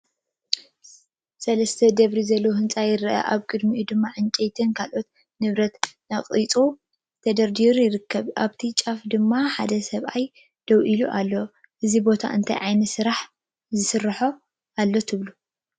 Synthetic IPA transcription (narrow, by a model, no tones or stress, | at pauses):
sɐlɐst̪ʰɐd̪ɐβɾizɐlːoɦɨnt͡sʼajɪɾʔɐ̰ʔaβkʼɨd̪miʔud̪ɨmːaʕɨnt͡ʃʼejt̪ʰɨnkʰalʔo̞t̪ | nɨβɾɐt̪naχʼit͡sʼu | t̪ʰɐd̪ɐɾd̪iɾjɪɾɨkʰːɐβʔaβt̪ʰit͡ʃʼafd̪ɨmːaħa̰d̪ɐsɐβʔaj | d̪̥ɐwʔiluʔalːo | ʔɨzibo̞t̪ʰa̰ʔɨnt̪ʰɐjʕajnɐsɨɾaħ | zɨsɨrːɐħo | alːo̞t̪ʰɨβlu